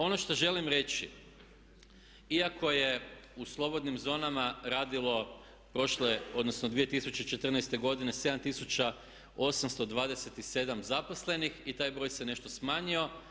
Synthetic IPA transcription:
o̞no̞ʃt̪oʒe̞limɾe̞t͡ɕḭ | iako̞je̞uslˠo̞bo̞d̪nimzo̞ːnamaɾaːd̪ilˠo̞ | pɾo̞ʃleo̞d̪nosnod̪ʋije̞t̪isut͡ɕet͡ʃe̞t̪r̩nɛjst̪e̞ɡo̞d̪ine̞se̞d̪amt̪isut͡ɕa | o̞samst̪od̪ʋaːd̪e̞set̪ise̞d̪amzapo̞sle̞nixit̪aːjbɾo̞jse̞ne̞ʃt̪o̞smaːɲio̞

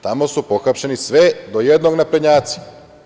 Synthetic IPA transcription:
t̪amo̞supo̞xapʃenisʋed̪o̞jed̪no̞ɡnapɾeɲaːt̪si̥

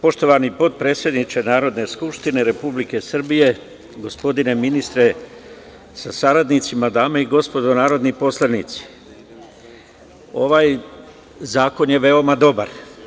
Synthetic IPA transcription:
po̞ʃt̪o̞ʋanipo̞t̪̚pɾe̞ːt̪sje̞d̪nit͡ʃenaːɾo̞d̪ne̞skupʃt̪ine̞ɾe̞publike̞sr̩bije̞ | ɡo̞spo̞d̪ine̞minist̪ɾe̞ | sasaɾad̪nit̪simad̪aːmaiɡo̞spo̞d̪o̞naːɾo̞d̪nipo̞slˠanit̪si̥ | o̞ʋaːj | zaːko̞nje̞ʋe̞omad̪o̞baɾ

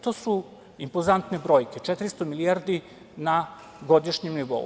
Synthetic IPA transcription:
t̪o̞ːsu | impozant̪nebɾo̞ːjke̞t͡ʃet̪ɾist̪omilijaɾd̪i | na | ɡo̞d̪iʃɲemniʋo̞̰ṵ

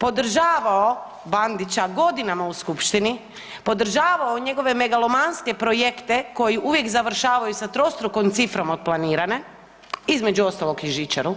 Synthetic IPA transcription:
po̞d̪ɾ̩ʒaːʋao | band̪it͡ɕaɡo̞d̪inamauskupʃt̪ini | po̞d̪ɾ̩ʒaːʋaoɲeɡo̞ʋe̞me̞ɡalomanske̞pɾo̞jekt̪e̞ko̞jiʔuʋje̞kzaʋr̩ʃaːʋajusat̪ɾo̞st̪ɾukomt̪sifɾo̞mod̪̚plˠaniːɾane̞ | izme̞d͡ʒuo̞st̪olˠo̞kiʒit͡ʃaɾu

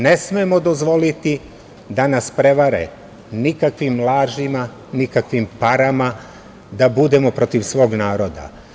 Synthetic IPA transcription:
ne̞smeemo̞d̪o̞zʋo̞lit̪i | d̪anaspɾe̞ʋaɾe̞̰ | nikakʋimlˠaːʒima | nikakʋimpaɾama | d̪abud̪e̞mo̞pɾo̞t̪iʋsʋo̞ːɡnaːɾo̞d̪a̰

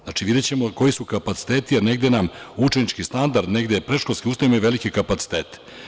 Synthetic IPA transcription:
znat͡ʃiʋid̪e̞t͡ɕemoko̞jisukapat̪si̥t̪e̞ːt̪iane̞ɡd̪enamut͡ʃenit͡ʃkist̪and̪aɾd̪ne̞ɡd̪epɾe̞ʃkolskʲiust̪aimajiʋe̞likekapat̪si̥t̪e̞ːt̪e̥

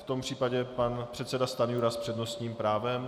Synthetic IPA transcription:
ft̪o̞mpr̝̥iːpaɟɛpanpr̥ɛt̪sɛdast̪anjuɾaspr̥ɛdno̞st̪ɲiːmpɾaːvɛm

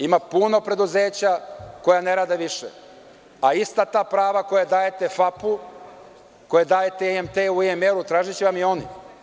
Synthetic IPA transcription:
imapuno̞pɾe̞d̪uze̞ːt͡ɕako̞jane̞ɾaːd̪eʋiʃḛ | aist̪at̪aːpɾaːʋako̞jad̪aːjet̪e̞fapu | ko̞jed̪aːjet̪eemt̪euemeɾut̪ɾaːʒit͡ɕeʋamio̞ni

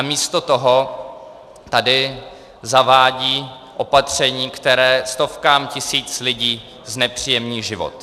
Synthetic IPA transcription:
amiːst̪ot̪oɦo̞ | t̪adɪ | zavaːɟiː | ʔo̞pat̪r̝̥ɛɲiːkt̪ɛɾɛːst̪o̞fkaːmcɪsiːt͡slɪɟiː | znɛpr̥iːjɛmniːʒɪvo̰t̪

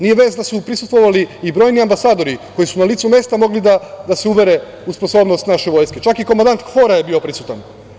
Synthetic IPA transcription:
nije̞ʋe̞ːsd̪asupɾisust̪ʋo̞ʋaliːbɾo̞jniambasaːd̪o̞ɾikojisunalit̪sume̞st̪amo̞ɡlid̪ad̪aseuʋe̞ɾe̞ | usposo̞bnost̪naʃeʋo̞jsket͡ʃakikomand̪ant̪xo̞ɾajebio̞pɾisut̪an

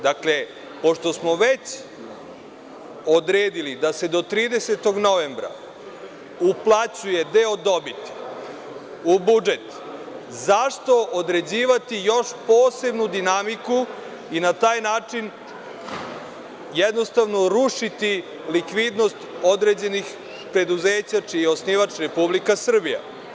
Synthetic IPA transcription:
d̪akle̞ | po̞ʃt̪o̞smoʋet͡ɕ | od̪ɾeːd̪ilid̪ase̞d̪o̞t̪ɾiːd̪eset̪o̞ɡnoʋe̞mbɾa̰ | uplˠat͡ɕuje̞d̪eod̪o̞bit̪i̥ | ubud͡ʒe̞t̪ | zaʂt̪o̞ʔod̪ɾe̞d͡ʑiːʋat̪ijo̞ʃpoːse̞bnud̪inamiku | inat̪aːjnaːt͡ʂin | jɛd̪no̞st̪aʋno̞ɾuʂit̪i | likʋid̪no̞st̪o̞d̪ɾeːd͡ʑe̞nix | pɾe̞d̪uzeːt͡ɕat͡ʂijeo̞sniʋat͡ʂɾe̞publikasr̩bija̰

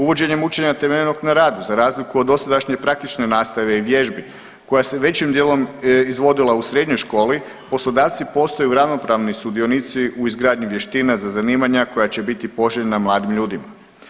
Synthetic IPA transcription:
uʋo̞d͡ʑe̞ɲe̞mut͡ʃe̞ɲat̪emeʎeno̞ɡnaɾaːd̪uzaɾaːzlikuod̪ːo̞sad̪aʃɲe̞pɾak̚t̪it͡ʃne̞naːst̪aʋe̞iʋje̞ʒbi | ko̞jase̞ʋe̞t͡ɕimd̪jeːlo̞mizʋo̞d̪ilˠausɾe̞d̪ɲo̞jʃko̞ːli | po̞slˠod̪aːʋt̪sipo̞st̪ojuɾaʋno̞pɾaʋnisud̪io̞nit̪siʔuizɡɾaːd̪ɲuʋje̞ʃt̪iːnazazaniːmaɲako̞jat͡ɕe̞bit̪ipo̞ʒeʎenamlˠaːd̪imʎuːd̪ima

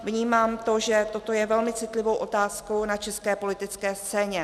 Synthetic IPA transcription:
vɲiːmaːmt̪o̞ʒɛt̪o̞t̪o̞jɛvɛlmɪt͡sɪt̪lɪvo̞wʔo̞t̪aːskownat͡ʃɛskɛːpo̞lɪt̪ɪt͡skɛːst͡sɛːɲɛ

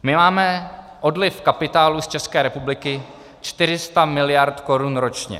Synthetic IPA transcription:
mɪmaːmɛ | ʔo̞dlɪfkapɪt̪aːlust͡ʃɛskɛːɾɛpublɪkɪ | t͡ʃt̪ɪɾ̝ɪst̪amɪlɪjaɾt̪ko̞ɾunɾo̞t͡ʃɲɛ̰

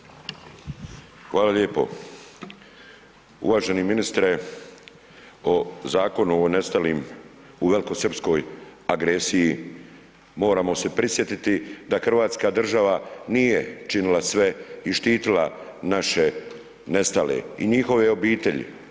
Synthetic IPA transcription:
xʋaːlaʎeːpo̞̰ | ṵʋaːʒeniminist̪ɾe | o̞zaːko̞nuonest̪aliːm | uʋe̞liko̞sr̩psko̞jaɡɾesiji | mo̞ːɾaːmo̞se̞pɾisje̞t̪it̪id̪axr̩ʋaːt̪skad̪r̩ʒaʋanijet͡ʃinilasʋe̞iʃt̪iːt̪ilanaʃe̞ | ne̞st̪alḛiɲixo̞ʋe̞o̞biːt̪e̞ʎḭ

